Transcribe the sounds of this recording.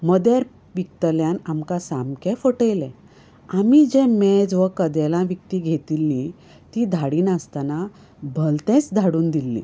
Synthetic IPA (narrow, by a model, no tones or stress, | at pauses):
məd̪jaɾ | ʋik̚t̪əljanamkasamkʰɛfəʈəjlɛ̃ | amid͡ʑɛ̃mɛ̃d͡zʋəkəd̪ɛlãʋjək̚t̪iːɡʱet̪ilːi | t̪id̪ʱaɽiːnast̪ana | bʱəlt̪ɛ̃t͡sd̪ʱaɽuːnd̪ilːḭ